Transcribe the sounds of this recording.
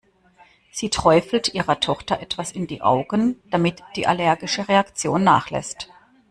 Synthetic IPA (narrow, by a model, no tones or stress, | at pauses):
z̥iːtʁ̥ɔʏfl̩tʔiːʁɐtʰɔχtɐʔɛtv̥asɪndḭːʔa̰ʊɡənd̥amɪtd̥iːʔalɛɐɡɪʃəʁeakt͡sjoːnːa̰ːχlɛ̰st